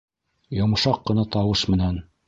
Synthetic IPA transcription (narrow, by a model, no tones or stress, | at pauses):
jŏmɤ̆ʃɑqːɤ̆nɑt̪ɑwɤʃmɘ̆næn